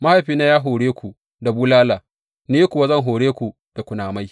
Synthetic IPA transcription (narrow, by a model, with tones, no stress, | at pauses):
ma˦ha˨jɸiː˦naː˦jaː˦ɦoː˨ɽeː˦kʷu˨ | da˨buː˦laː˦laː˨ | ne˦kʷʊ˨wa˦zɐ˦ŋɦoː˨ɽeː˦kʷu˨ | d̥a˨kʷʊ˨naː˨ma˦j